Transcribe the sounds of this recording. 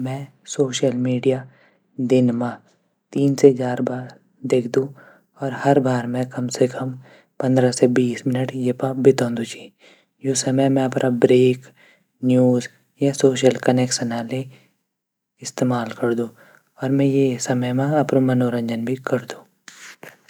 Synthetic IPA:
mɛ̃ː | soːʃəlmiːɖija | d̪ɪnmã | t̪iːnset͡ʃaːɾbaːɾ | d̪eːkʰd̪ũː | ɔːɾhɐɾbaːɾmɛ̃kɐmsekʰɐm | pɐ̃nd̪ɾasebiːsmɪnəʈjepabɪt̪õːnd̪ut͡ʃʰi̥ | josɐməjmɛ̃ɐpɾʔabɾeːk | njuːz | jasoːʃəlkɐnɛːksənaːle | ɪst̪eːmaːlkɐɾd̪ũː | ɔːɾmɛ̃jesɐməjmãɐpnõmɐnoːɾə̃ɲd͡ʒənbʱikɐɾd̪ũː

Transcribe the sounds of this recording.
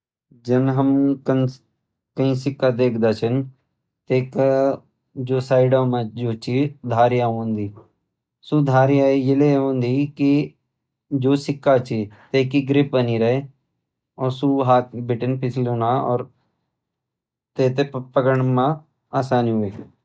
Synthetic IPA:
d͡ʒɐnɦəmkən | kɐĩsɪkːad̪eːkʰd̪aːt͡ʃʰən | t̪eːka | d͡ʒoːsaːɪɖamãd͡ʒoːt͡ʃid̪ʱaːɾjaɦõːnd̪iː | sud̪ʱaːɾijaːijɪleõːnd̪iːki | d͡ʒoːsɪkːat͡ʃʰit̪eːkiɡɾɪp̚bəniɾɐe | ɔːɾsuɦaːt̪̚ʰbɪʈənpɪt͡ʃʰloːnaɔ̰ːɾ | t̪eːt̪epəkəɳ̃mã | aːsaːnɦueː

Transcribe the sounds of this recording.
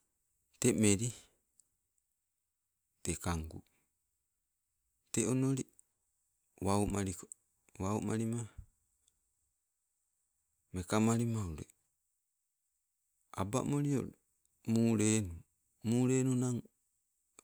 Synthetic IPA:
temeɾi | tekaŋɡṵ | teonoɾi | waumaɾik | waumaɾima | mekamaɾimauɾḛ | aba̰moɾio̰ɾ | muːɾenu | muːɾeːnunaŋ

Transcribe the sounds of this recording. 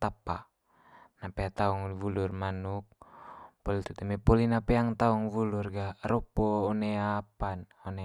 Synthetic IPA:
t̪apa | napeat̪auŋvulurmanuk̚polit̪ut̪ɛmɛpɔlinapeaŋt̪auŋvulurɡaɾɔpoːneapanɔne

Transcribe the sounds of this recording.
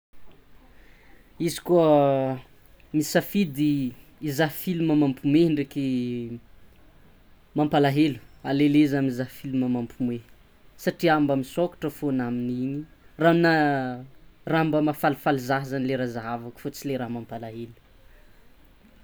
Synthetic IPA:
izi̥kuə | misafid̪iːzaɦfiluməmampumeɳɖ͡ʐeki | mampalaɦelu̥aleleizamizaɦfiluməmampʰume | saʈ͡ʂiambamisokḁʈ͡ʂəfonamininirana | rambəmafalifalizaɦzanileɾazaɦavaku̥fot͡sileɾamampalaɦelu̥

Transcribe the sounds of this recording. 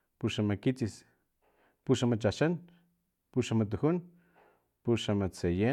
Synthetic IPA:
puʃamakit͡sis | puʃamat͡ʃaʃan | puʃamat̪̬uhun | puʃamat͡seje

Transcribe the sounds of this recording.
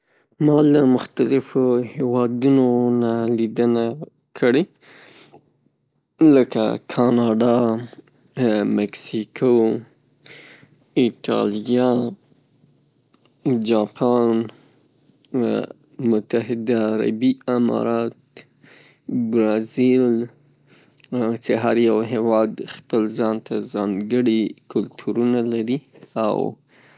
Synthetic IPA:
mɑlamʊxt̪alɪfohewɑd̪unonalid̪əna | kʰəɽe | ləka̰kʰɑnɑɖɑ | mɛksikʰo | ɪʈɑ̰ljɑ | d͡ʒɑpʰɑn | mʊt̪aɦɪd̪aːɾa̰biamɑ̰ɾɑt̪ | bɾɑzil | t͡ʃeɦaɾjawɦewɑd̪xpəlzɑnt̪ʰazɑŋɡəɽikʊlt̪ʰuɾunalaɾia̰w

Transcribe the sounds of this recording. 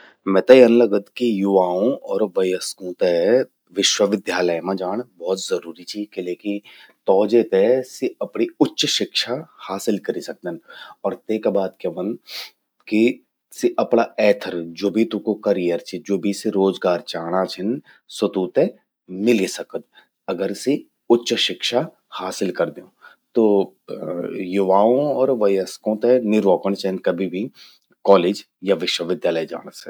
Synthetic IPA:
mɛ̃t̪əiɐnləɡəd̪kijʊʋaːõʔɔːɾʋɐjəskũːt̪e | ʋɪʃwəʋɪd̪jaːləjmãd͡ʒaːɽ̃bɔːt̪zɐɾuːɾit͡ʃʰikeleːkit̪ɔːd͡ʒet̪esiɐpɳ̃iʊtːʃʃɪkʃahaːsɪlkɐɾisɐk̚d̪ənɔːɾt̪eːkbaːd̪keʋən | ki | siʔɐpɳaɛːt̪ʰəɾd͡ʒoːbʱit̪ũkokɐɾijəɾt͡ʃʰid͡ʒoːbʱiseɾoːzɡaːɾt͡ʃaːɽ̃at͡ʃʰən | swət̪uːt̪ẽ | mɪlisɐkət̪̚ | ɐɡəɾsi | ʊtːʃəʃɪkʃa | haːsɪlkɐɾd̪eõː | t̪oː | jʊʋaːõɔːɾʋɐjəskõt̪enɪɾʋoːkəɳ̃t͡ʃʰənkɐbʱibʱi | kɔːleːd͡ʒ | jaʋɪʃwəʋɪd̪jaːləjd͡ʒa̰ːɽ̃əsɛ

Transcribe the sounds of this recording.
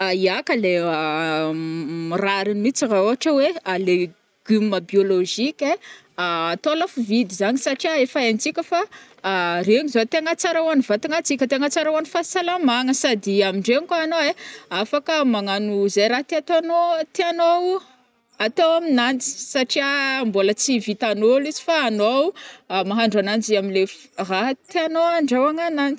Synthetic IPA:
aiakəlea | miraɾinmit͡siraoɦaʈ͡ʂəweale | ɡ̥ymməbioloʒikʲe | aːt̪olafuvid̪izaɲisaʈ͡ʂiaefaant͡sikʲəfaː | reŋizot̪eaŋat͡saɾawanivat̪iŋat͡sikʲət̪eŋat͡saɾawanifasalamaŋəsad̪iamiɳɖ͡ʐeŋkaanoeafakəmaŋanuzajɾat̪eat̪oanot̪eanow | at̪owaminant͡si̥saʈ͡ʂiambolət͡sivit̪anolizi̥faːnowmaɦaɳɖ͡ʐanand͡ziamilefraɦt̪eanoaɳɖ͡ʐawaŋanant͡s

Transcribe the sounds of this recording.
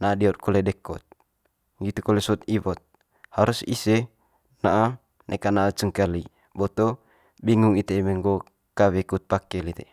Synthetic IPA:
naːdiɔt̪̚kɔlɛdɛkɔt̪̚ | ɡit̪ukɔlɛsɔt̪̚iβɔt̪̚ | haɾusisɛ | naʔa | nʔɛkanaːt͡ʃəŋkali | bɔt̪ɔ | biŋuŋit̪emɛŋɡɔ | kawɛkut̪̚pakɛlit̪e

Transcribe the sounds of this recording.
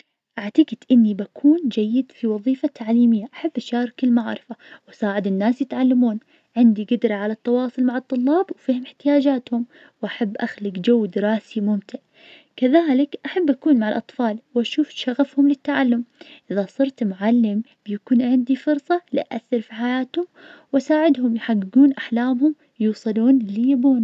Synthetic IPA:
ʔaʕt̪aɡɪd̪ʔɪnːibakʰuːnd͡ʒajːɪd̪fiwɑðˤiːfat̪ʰːaʕliːmɪjːaʔaħabːʔaʃaːɾˤɑkɪlmaʕɾˤɪfawʔasaːʕɪd̪ɪnːaːsjɪt̪ʕalːamuːn | ʕɪnd̪iɡɪd̪ɾˤɑʕalat̪ːɑwɑːsˤʊlmaʕɑt̪ˤːʊlːɑːbwfiːhʊmɪħt̪ɪjaːd͡ʒaːt̪hʊm | wʔaħabːʔaxlɪkd͡ʒawːd̪ɪɾɑːsimʊmt̪ɪʕ | kaðaːlɪkʔaħabːʔakuːnmaʕɪlʔɑt̪ˤfɑːlwʔaʃuːfʃaɣafhʊmlɪt̪ːaʕalːʊmʔɪðasˤɨɾt̪mʊʕalːɪm | b̥jakuːnʕɪnd̪ifʊɾsˤɑliʔʔaθːɪɾfiħajaːt̪hʊmwʔasaːʕɪd̪hʊmjħaɡːɪɡuːnʔaħlaːmhʊm | juːsˤɨluːnlɪjabuːn

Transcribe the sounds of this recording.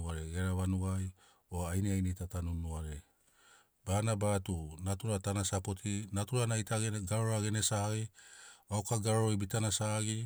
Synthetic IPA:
aɾeɡeɾaβanuaj | oajneajnejtatanunːuaɾe̞ | b̥aːnabatunatuɾatanasapo̞tʰinatuɾanajtʰaɡaɾoɾaɡe̞nesaajawkaɡaɾoɾojbitanasaɡi

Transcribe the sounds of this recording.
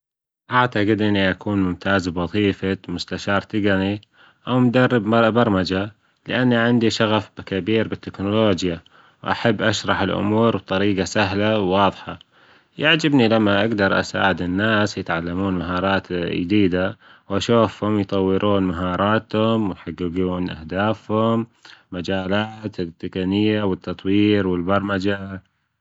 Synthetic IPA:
ʔaʕt̪aqɪd̪ʔɪnːiʔakʰuːnmʊmt̪ʰaːzbwɑðˤiːfamʊst̪aʃɑːɾˤt̪ɪɡani | ʔawmd̪arːɪbbɑɾˤmad͡ʒa | lɪʔanːiʕɪnd̪iʃaɣafbkabiːɾbɪt̪ːɪknʊloːd͡ʒja | wʔa̰ħabːʔaʃɾˤɑħɪlʔʊ̰muːɾb̚t̪ˤɑɾiːɡasaɦlawːɑːðˤħɑ | jaʕd͡ʒɪbnilamːaʔaɡd̪ɑɾˤʔa̰sa̰ːʕɪd̪ɪnːaːsjɪt̪ʕalːamuːnmaɦɑːɾˤɑːt̪ːd̪iːd̪a | wʔaʃuːfhʊmjt̪ˤɑwːɪɾuːnmaɦɑːɾˤɑːt̪hʊmwjħaɡɪɡuːnʔa̰hd̪aːfhʊmːad͡ʒaːlaːt̪t̪ːɪkanɪjːawɪt̪ːɑt̪ˤwiːɾwɪlbɑɾˤmad͡ʒa

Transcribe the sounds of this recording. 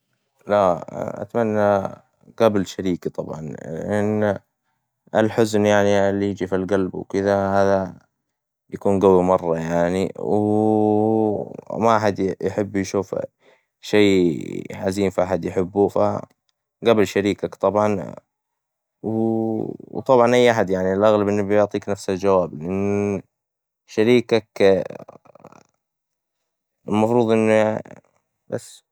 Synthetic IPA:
laʔa̰t̪manːa | ɡablʃaɾiːkt̪ˤɑbʕɑnʔanː | ʔalħʊznjaʕniɪlːijɪd͡ʒifilɡalbwkɪd̪ahaːða | jakuːnɡawimɑrˤːɑjaʕniw | maʔaħad̪jħɪbːjʃuːf | ʃeːʕaziːmfiʔaħad̪jħɪbːufa̰ | ɡabɪlʃaɾiːkakt̪ˤɑbʕɑn | w | wt̪ˤɑbʕɑnʔajːʔaħad̪jaʕnilʔaɣlabʔɪnːbjʊʕt̪ˤiːknafsald͡ʒawaːblʔɪnː | ʃaɾiːkak | ɪlmɑfɾˤuːðˤʔɪnː | b̥asː

